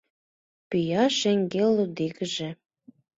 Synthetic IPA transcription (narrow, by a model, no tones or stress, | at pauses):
pyjɑʃĕŋɡelud̪ikəʒĕ